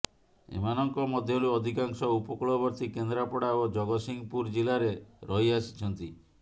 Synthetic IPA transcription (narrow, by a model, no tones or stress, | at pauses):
ḛmanɔŋkɔmɔd̪ʱjɔɽuɔd̪ʱikaŋsɔupɔkuɭɔbɔɾt̪ikend̪ɾapɔɽaod͡ʒɔɡɔsiŋɡpuɾd͡ʒilaɾeɾɔɦiasi̥t͡ʃʰɔnt̪i